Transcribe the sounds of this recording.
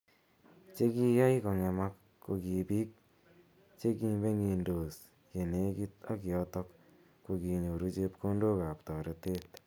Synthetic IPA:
t͡ʃe˦ki˦ja˦i˦kɔ˧ŋɛ˧ma˦k | kːo˨ki˨bi˦k̚ | t͡ʃe˦ki˧mbe˦ŋi˨ndo˨s | je˨ne˦ki˦ta˦ki˨ɔ˦tɔ˦k | ko˧ki˨ɲo˨ɾu˦t͡ʃe˦pko˦ndo˦ka˨p̚tɔ˨ɾe˧te˦t

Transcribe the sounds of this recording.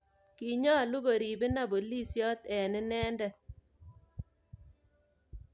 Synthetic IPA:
ki˨ɲɔ˦lu˦ɣo˨ɾi˨bɪ˦na˨bo˨li˦sjɔ˦t̪ɛ˨nɪ˦nɛː˦ndɛ˨

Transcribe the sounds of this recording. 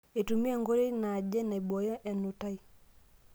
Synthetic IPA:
e˨tu˨mi˦ɛ˦˨ŋɡo˦li˦na˨d͡ʒɛ˦na˨i˨bɔ˨jɔ˦ʔɛ˨nu˨ta˦i˦

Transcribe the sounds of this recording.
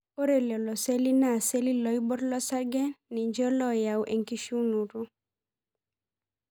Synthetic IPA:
o˦ɾe˨lɔ˨lɔ˨se˦li˦na˦˨se˦li˦lɔ˨˦i˦bɔ˦ɾlɔ˦sa˦ɡɛ˦ni˨ɲd͡ʒɔ˦lɔ˦ja˨wʔe˨ŋki˦ʃu˦nu˨ɾu˦

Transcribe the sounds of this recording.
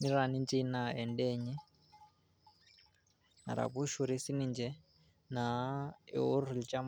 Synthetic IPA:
mi˦ɾa˨ni˦nd͡ʒi˦na˨ɛ˨ndɛ˦ɲi˦ | na̰˨ɾa̰˨βu˦ʃu˨ɾi˦si˦ni˨nd͡ʒɛ˦ | na˨ḭ˨u˦ɾ̤u˨lit͡ʃʼa˦m

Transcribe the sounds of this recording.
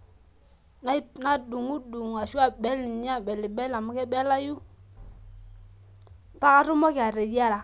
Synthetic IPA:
n˦na˦du˨ŋu˦du˨ŋ˨a˨ʃu˦a˨bɛ˦li˨ɲ˦a˦˨bɛ˨lɪ˨bɛ˦la˨mʊ˦kɛ˦bɛ˦la˦ju˦ | pa˦ka˦ɾu˦mɔ˦kɪ˨a˨ɾe˨di˦a˦la˨

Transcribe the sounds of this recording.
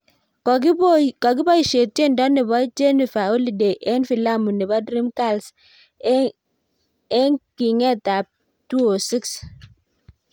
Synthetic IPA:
kkɔ˨k̬ɪ˦bɔ˦i˨ʃe˨te˦ndɔ˦nɪ˨bɔ˦d͡ʒe˦ni˨fa˨o˦li˨de˨ʔɛ˦nfi˨la˦mu˨ni˨ba˦dɾi˦mka˦˨ls | ɛ˦ŋki˨ŋɛ˦ta˨p̚ | tu˦o˨si˦ks

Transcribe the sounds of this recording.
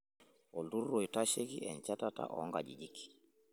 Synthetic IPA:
ɔ˨ldu˦ɾːo˨i˨ta˦ʃe˦ki˦ʔɛ̰˨nt͡ʃa˦ta˦ta̰˦ʔɔ̰˨ɔ˦ŋɡa̰˨d͡ʒḭ˨d͡ʒi˦ki̥˨

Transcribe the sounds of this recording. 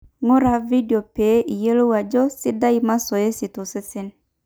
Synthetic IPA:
ŋo˦ɾa˨vi˦di˨o˨pe˨˦ʔi˨je˦lo˦wa˨d͡ʒɔ˦si˦da˦i˨ma˦so˨je˦si˨to˨si˦si˦n

